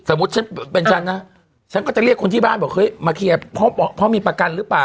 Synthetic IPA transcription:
sa˨˩˦mːu˦˥t̪̚t͡ɕa˦˥npe˧nt͡ɕʰa˦˥˩nːa˦˧˥ | t͡ɕʰa˥nkɔː˧˥˩t͡ɕa˨˩li˥˩əkʰːo˧nt̪ʰiː˥˩baː˥˩nbɔː˨˩k̚hɤ˦˥˨jmaː˧kʰiː˧˩a˨˩pʰɔ˧˥˩ɔ˧˩pʰɔ˧˥˩miː˧pɾa˧ka˧nɾɯː˦˥plaː˨˩

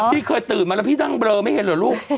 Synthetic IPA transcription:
iː˥˩kʰɤː˧jt̪ɯː˨˩nma˧lpʰiː˥˩na˥˩ŋbɾɤː˧ma˥˩jhe˨˦nlɯ˨˩˦luː˥˩k̚

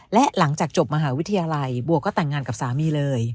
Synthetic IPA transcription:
lɛ˦˥ʔla˩˦ŋt͡ɕaː˨˩k̚t͡ɕo˨˩p̚ma˧ɦaː˩˦wt̪ʰːa˧jaː˧la˧jbu˨˩əkːɔː˥˩t̪ɛ˨˩ŋːaː˧nka˨˩p̚saː˩˦miː˧lɤː˧j

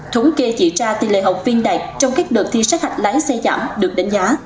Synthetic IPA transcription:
t̪ʰu˨˦˥ke˧t͡ɕḭ˧˩t͡ɕaː˧t̪ḭ˨˩lḛ˧˨ɦə˨˩wk͡p̚vi˧ənɗa̰ː˨˩jk̚t͡ɕɔ˧wŋ͡mkaː˦˥k̚ɗɨ˨˩k̚t̪ʰi˧˩sa˦˥k̚ha˨˩jk̟̚la˨˦jsɛ˧za̰ː˧˩mɗɨ˨˩ək̚ɗa˨˦jŋ̟zaː˨˦

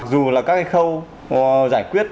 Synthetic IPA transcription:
k̚zu˨˩laː˨˩kaː˦˥k̚ʔa˧xə˧w | zaː˧˩jkwi˦˥ət̚

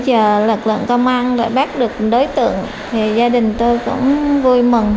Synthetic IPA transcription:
t͡ɕəː˨˩lɨ˨˩k̚lɨ̰˧˨nkə˧wŋ͡mʔa˧nɗa̰˧˩ɓaː˦˥k̚ɗɨ˨˩ək̚ɗo˨˦jt̪ɨ̰˧˨əŋ | t̪ʰi˨˩zaː˧ɗï˨˩ŋ̟t̪o˧jkʊ̰˧˥ŋ͡mvu˧jmɨ˨˩ŋ

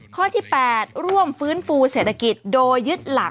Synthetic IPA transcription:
kʰɔː˥˩t̪ʰiː˥˩pɛː˨˩t̪̚ɾu˥˩əmfɯː˦˥nfuː˧seː˨˩t̪ʰa˧ki˨˩t̪̚doː˧jːɯ˦˥t̪̚la˩˦

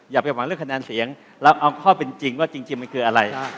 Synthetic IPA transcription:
jaː˨˩kpa˧˩wa˨˦ɾɯ˥˩əŋkʰa˧nɛː˧nsi˩˦əŋ | lɛː˦˥wʔa˧wkʰɔː˥˩pe˧nt͡ɕi˧ŋwaː˥˩t͡ɕi˧ŋt͡ɕi˧ŋma˧nkʰɯː˧ʔa˧ɾa˧j

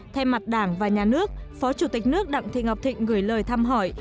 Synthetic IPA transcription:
t̪ʰɛ˧jma˨˩t̚ɗaː˧˩ŋvaː˨˩ɲaː˨˩nɨ˦˥ək̚fɔ˨˦t͡ɕu˧˩t̪i˨˩k̟̚nɨ˦˥ək̚ɗa̰˧˨ŋt̪ʰḭ˧˨ŋha˨˩wk͡p̚t̪ʰḭ˧˨ŋ̟ɣɨ˧˩jləː˨˩jt̪ʰaː˧mɦɔ˧˩j

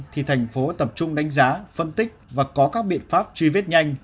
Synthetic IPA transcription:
t̪ʰi˨˩t̪ʰɛ˨˩jŋ̟fo˨˦t̪ə˨˩p̚t͡ɕʊ˧ŋ͡mɗa˨˦jŋ̟zaː˨˦fə˧nt̪ï˦˥k̟̚vaː˨˩kɔ˨˦kaː˦˥k̚ɓḭ˧˨ənfaː˦˥p̚t͡ɕwi˧vi˦˥t̚ɲa˧jŋ̟

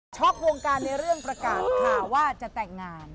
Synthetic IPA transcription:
t͡ɕʰɔ˦˥˩k̚ɾoː˧ŋkaː˧nːa˧jɾɯ˥˩əŋpɾa˧kaː˨˩t̪̚kʰaː˨˩wwaː˥˩t͡ɕa˨˩t̪ɛː˨˩ŋːaː˧n

